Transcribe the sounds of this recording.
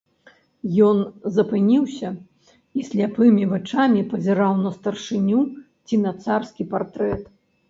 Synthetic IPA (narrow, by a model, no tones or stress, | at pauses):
jɔnzɐpɨnʲiwsʲɐ | isʲlʲapɨmʲivat͡ʂamʲipɐzʲɛɾawnɐst̪ɐrʂɨnʲu | t͡sʲinɐt̪sarskʲipart̪ɾɛt̪